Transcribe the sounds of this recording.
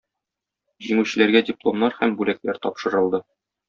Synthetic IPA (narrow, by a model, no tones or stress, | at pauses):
ʑiŋʉɕɘ̆læɾɡædʲɪplˠo̞mnɑɾhæmbʉlæklæɾt̪ɒpʃɤ̆ɾɤ̆lˠd̪ɤ